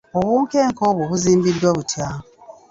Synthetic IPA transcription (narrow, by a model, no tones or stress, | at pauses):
oβuːŋke̞ːŋkoːβwoβuziːmbidːwaβutʰja